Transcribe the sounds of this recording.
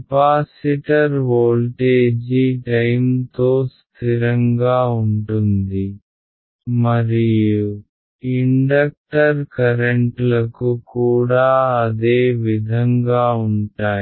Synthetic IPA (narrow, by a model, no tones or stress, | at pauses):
paːsiʈɐɾʋoːlʈeːd͡ʒiʈɐjmt̪oːst̪ʰiɾɐŋɡaːuɳʈund̪i | mɐɾiju | iɳɖɐk̚ʈɐɾkɐɾeɳʈlɐkukuːɽaːɐd̪eːʋid̪ʱɐŋɡaːuɳʈaː